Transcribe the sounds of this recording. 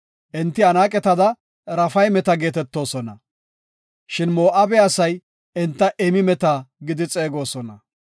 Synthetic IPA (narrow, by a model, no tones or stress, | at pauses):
ʔɪnt̪ːɪɐnaːkʼɛt̪ɐd̪ɐ | ɾɐfɐjmɛt̪ɐɡe̞ːt̪ɛt̪ːo̞ːsɔnɐ | ʃɪnmo̞ːʔɐbɛɐsɐj | ɪnt̪ːɐʔɛmɪmɛt̪aɡɪd̪ɪt͡sʼeːɡo̞ːsɔnɐ